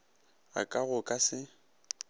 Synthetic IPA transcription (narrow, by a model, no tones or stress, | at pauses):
a̰kʼaɣʊkʼasɪ